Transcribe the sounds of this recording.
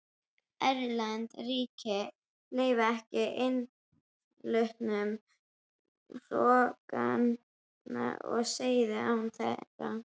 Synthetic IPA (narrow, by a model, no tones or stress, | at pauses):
ɛɾlɛnt̪riːcɪ | leːjvɪɛhcɪʔɪn | lʏht̪nʏm | sɔːkan | na̰ɔ̰ɣseːjðɪawnθɛ̰t̪ːa